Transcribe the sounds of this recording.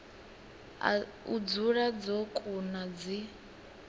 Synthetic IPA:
ud͡zuɺad͡zokʼunad͡zi

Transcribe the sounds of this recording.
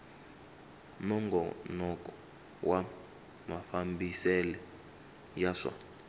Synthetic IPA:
mɔŋɡɔ̰nɔkʼɔ̥ | wa | mafambisɛlɛ | jaʂa̰

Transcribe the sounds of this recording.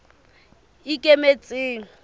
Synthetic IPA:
ikʼemet͡sʼeːŋ̩

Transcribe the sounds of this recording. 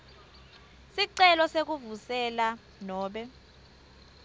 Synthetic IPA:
siǀɛlɔsek̬uvusɛla | nɔːɓɛ

